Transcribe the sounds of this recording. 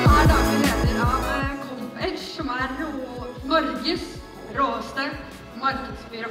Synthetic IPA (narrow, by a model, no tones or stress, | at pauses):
ɑːd̪ɑːɡəɾeːt̪əɾɑkʰɔmpɛt̪sɔmæɾuːnɔɾɡəs | ɾoːəst̪ə | mɑɾkəd̪sfyːɾə